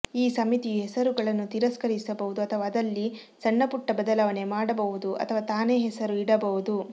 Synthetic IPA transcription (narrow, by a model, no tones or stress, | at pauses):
iːsɐmit̪iɦɛsɐɾuɡɐɭɐnːut̪iɾɐskɐɾisɐbɐʋud̪uɐt̪ʰɐʋaːd̪ɐlːi | sɐɳːɐpuʈːɐbɐd̪ɐlɐʋɐne̞maːɽɐbɐʋud̪uʔɐ̰t̪ʰɐʋaːt̪aːne̞ːɦɛsɐɾuiɽɐbɐʋud̪u